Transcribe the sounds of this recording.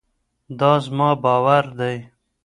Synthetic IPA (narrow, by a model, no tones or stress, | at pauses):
d̪ɑːzmɑːbɑːwaɾd̪aj